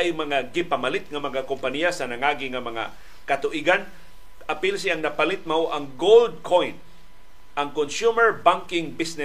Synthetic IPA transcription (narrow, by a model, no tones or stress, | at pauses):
ajmɐŋaɡɪpamalɪt̪̚ŋamaŋakʊmpanijasanaŋaɡiŋamɐŋa̰ | kat̪ʊʔiɡan | apɪls̬iaŋnɐpalɪt̪̚mawʔaŋɡowld̪̚kʰojn | ʔaŋkonsumɛɹbaŋkɪŋbisnɛ